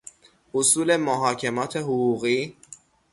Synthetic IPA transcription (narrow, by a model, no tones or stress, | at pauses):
ʔosuːle̞moɦɒːcʰemɒːt̪ʰeɦoɣuːɣiː